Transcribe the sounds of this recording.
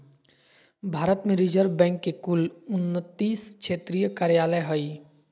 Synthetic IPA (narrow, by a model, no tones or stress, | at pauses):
bʱaːɾət̪mẽɾid͡ʒəɾbɛ̃ːŋkːekʊlʊnːət̪ːiːskʃʰeːt̪ɾijəkaːɾjaːləjɦəi